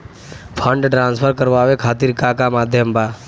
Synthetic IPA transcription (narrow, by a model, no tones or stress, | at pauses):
pʰə̃ɳɖʈɾãːnspʰəɾkəɾʋaːʋekʰaːt̪iːɾkakamaːd̪ʱjəmbaː